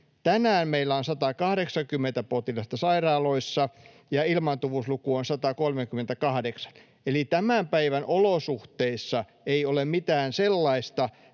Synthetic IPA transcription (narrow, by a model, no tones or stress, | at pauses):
t̪ænæːnmeilːæonsɑt̪ɑkɑhɾeksɑŋkymːent̪æpot̪ilɑst̪ɑsɑirɑːloisːɑ | jɑilmɑnt̪uʋuslukuonsɑt̪ɑkolmekyment̪ækɑhdeksɑ̥n | elit̪æmæmpæiʋænʔolosuht̪eisːɑ | eiolemmit̪æːnselːɑist̪ɑ